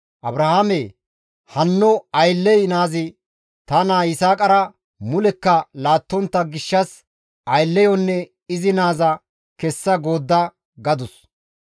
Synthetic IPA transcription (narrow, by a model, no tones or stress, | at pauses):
ʔɐbɾɐhamɛ | hɐnːɔɐjlːɛjnaːzɪ | t̪ɐnaːɪsaːkʼɐɾɐ | mʊlɛkːɐlaːt̪ːɔnt̪ːɐɡɪʃːɐs | ɐjlːɛjɔnːɛ | ɪzɪnaːzɐ | kɛsːɐɡo̞ːd̪ːɐ | ɡɐd̪ʊs